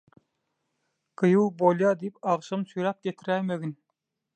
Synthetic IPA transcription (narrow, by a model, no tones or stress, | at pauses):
qʰɯjuwbolˠjɑːd̪ipɑʁʃɑmsyjɾæp̚kʲet̪ʰɾæjmeɡʲin